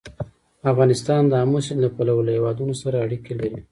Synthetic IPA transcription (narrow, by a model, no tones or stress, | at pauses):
afɣɑnɪst̪ɑnd̪əamosɪnlapalawəlahewɑd̪unosaɾaaɽikelaɾi